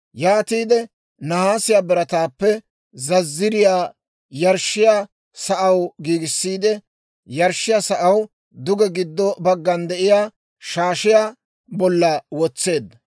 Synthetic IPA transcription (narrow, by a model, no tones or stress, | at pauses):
jaːt̪iːd̪ɛ | nɐhaːsɪjaːbɛɾɐt̪aːpːɛ | zɐzːɪɾɪjaː | jɐɾʃːɪjaː | sɐʔɐwɡiːɡɪsːiːd̪ɛ | jɐɾʃːɪjaːsɐʔɐw | d̪ʊɡɛɡɪd̪ːɔbɐɡːɐnd̪ɛʔɪjaː | ʃaːʃɪjaː | bɔlːɐwɔt͡sːe̞ːd̪ːɐ